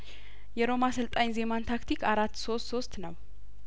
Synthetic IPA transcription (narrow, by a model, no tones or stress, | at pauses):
jɛɾo̞masɨlt̪ʼaɲze̞mant̪ʰakt̪ʰikaɾat̪ːso̞st̪so̞st̪nəw